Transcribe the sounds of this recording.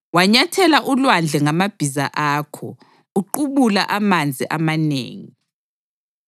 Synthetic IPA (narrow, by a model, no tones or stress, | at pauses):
waɲatʰɛlaʔulwand͡ɮʱɛŋamab̥ʱiza̰ʔaːkʰɔ̰ | uǃuβula̰ʔamand͡zʱiʔamanḛːŋi